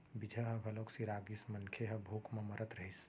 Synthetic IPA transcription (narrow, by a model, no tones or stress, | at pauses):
bid͡ʒʱəɦɐbʱɐloːksiɾaːɡismɐnkʰeɦɐbʱoːkʰmãmɐɾət̪ɾɐɦis